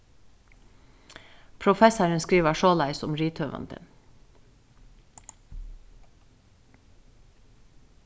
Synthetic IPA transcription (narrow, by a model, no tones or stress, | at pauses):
pʰɾʊfɛsəɹənskɾiːʋəʃoːlæɪsʊmɹiːt̪ʰœːʋɑ̰nd̪ə̰n